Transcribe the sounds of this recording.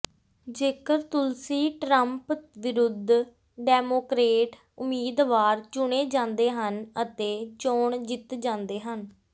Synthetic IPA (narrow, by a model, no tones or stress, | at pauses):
d͡ʒeːkəɾt̪ʊlsiːʈɾəmpʋɪɾʊd̪ʱ | ɖɛːmoːkɾeːʈ | ʊmiːd̪ʋaːɾt͡ʃʊɽeːd͡ʒãːnd̪eːɦənət̪eːt͡ʃoːɳd͡ʒɪt̪d͡ʒãːnd̪eːɦən